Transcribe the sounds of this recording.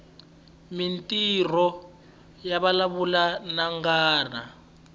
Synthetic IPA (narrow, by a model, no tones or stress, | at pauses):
mintʼir̤ɔ | jaβalaβulanaŋɡaːra